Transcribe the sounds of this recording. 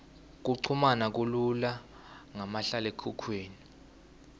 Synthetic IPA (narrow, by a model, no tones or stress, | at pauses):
k̬uǀʰumanak̬ulula | ŋamaɬalekʰukʰweːni